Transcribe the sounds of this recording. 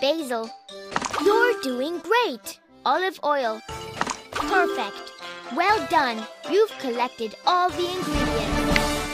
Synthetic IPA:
b̥eɪzl̩ˠ | jə˞duɪ̃ŋɡɹeɪt | ɑlˠɨvɔɪlˠ | pʰɜ˞fɛkt̚wɛlˠdʌ̃njʉv̥kʰəlɛk̚tɨɾɔlˠðiɨ̃nɡɹiɾiɨ̃nt

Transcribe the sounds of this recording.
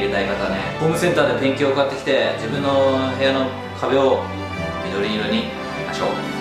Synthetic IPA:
ɾet̪aikat̪anebomɯ̟sẽ̞nt̪aːd̪epẽ̞ŋkʲiookɯat̪ːe̞kʲi̥t̪e̞d͡ʑibɯ̟̃nːo̞ɦe̞jano̞ | kʰabe̞o | mʲid̪o̞ɾʲiɲiɾoɲ̟i | a̰ɕo̰ː

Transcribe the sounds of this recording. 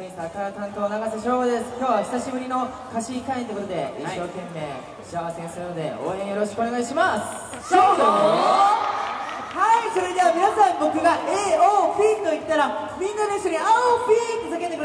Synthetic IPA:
oɲisakaat̪ãnt̪oːnaɡasaɕ̬oːbod̪e̞sɨ̥kʲo̞ːβaçi̥saɕibɯ̟ɾʲino̞ | kaɕikãẽnokot̪od̪e̞ḭɕɕːo̞ːkẽ̞mːe̞̰ː | oɕiaβasẽ̞ɰ̃sɨɾɯno̞d̪e̞̰o̰ːẽ̞ɰ̃jo̞ɾo̞ɕi̥kɯonaiɕimas | ɕoo | haiso̞ɾe̞d̪e̞βamʲinasãmbo̞kɯ̟ɡaʔeːoːpʲiːt̪o̞it̪ːaɾa | mʲĩnːaɾẽɕoɲʲiaopʲiːk̪osake̞t̪ːeɯɾ

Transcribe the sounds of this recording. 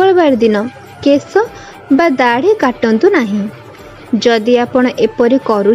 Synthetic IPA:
ɔɭbaɾɛd̪inɔ | kesɔ | bad̪aɽ̤ikaʈɔnt̪unaɦĩ | d͡ʒɔd̪iapɔɽ̃ɔʔepɔɾikɔɾu

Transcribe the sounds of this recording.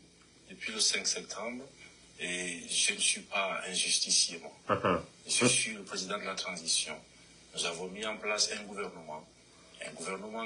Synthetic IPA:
d̪̥əpɥiləsɛ̃ŋksɛp̚t̪ʰɑ̃bʁ | eʒənəsɥipaɛ̃ʒyst̪isjemwa | ʒəsɥiləpχezid̪ɑ̃d̪əlat̪χɑ̃zisjɔ̰̃ | nuzavɔ̃miɑ̃plasɛ̃ɡuvɛʁnəmɑ̃ | ɛ̰̃ɡuvɛʁnəmɑ̃

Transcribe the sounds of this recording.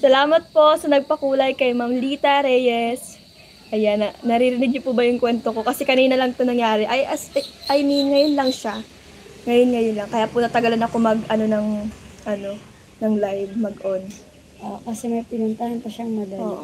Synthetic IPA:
sɐlaːmɐt̪̚po̞ʔsɐnɐɡ̚pɐkuːlɐjkɐjmamliːt̪ɐɾɛjɛs | ʔɐjanɐnɐɾiɾɪnɪɡ̚ɲʊpubɐjʊŋkwɛnt̪o̞ko̞kɐsɛkɐniːnɐlɐŋt̪onɐŋjaːɾɛʔɐjʔɐsɐʔɐjniŋɐjonlɐŋʃa | ŋɐjonŋɐjonlɐŋkɐjaːpʊnɐt̪ɐɡɐlanɐko̞mɐɡʔɐno̞nɐŋʔɐno̞ | nɐŋlajvmɐɡʔon | ʔokɐsɛmɐjpɪnʊnt̪ahɐnpɐʃaŋmɐd̪ɐoːʔo

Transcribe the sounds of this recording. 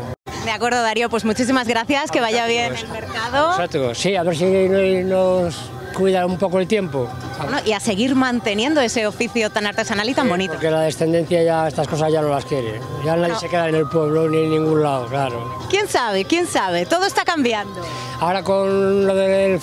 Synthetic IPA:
d̪eakwe̞ɾð̞oðaɾjopwe̞zmut͡ʃis̬imazɣɾaθjaske̞β̞aʝaβjenelmeɾkaðosot̪ɾosːiaβeɾs̬inojnos | kwiðaumpokoelt̪je̞mpo | noʔiase̞ɣ̞iɾmãnt̪e̞njẽ̞nd̪oe̞se̞ofiθjot̪anaɾt̪e̞sanalit̪ambo̞nit̪oɾkelaðe̞sθend̪e̞n̟θjaʝaest̪asko̞sazʝanolaskjeɾḛjanaðjesekeðaenelpwe̞β̞loninːĩŋɡunlaoklaɾo | kje̞nsaβ̞ekje̞nsaβ̞e̞t̪o̞ðoest̪akambjand̪o | aoɾakonloðel

